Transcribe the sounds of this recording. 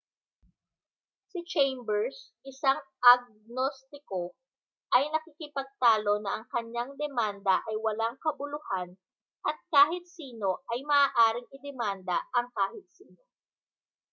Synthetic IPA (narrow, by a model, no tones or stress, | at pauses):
sɪt͡ʃɛjmbɛɹsʔɪsaŋʔɐɡ̚nost̪ɪko | ʔɐjnɐkikɪpɐɡ̚t̪aːlo̞nɐʔɐŋkɐɲːaŋd̪ɛmand̪ɐʔɐjwɐlaŋkɐbʊlʊhan | ʔɐt̪̚kaːɦɪt̪̚siːno̞ʔɐjmɐʔaːʔaːɾɪŋɪd̪ɛmand̪ɐʔɐŋkaːhɪt̪̚siːno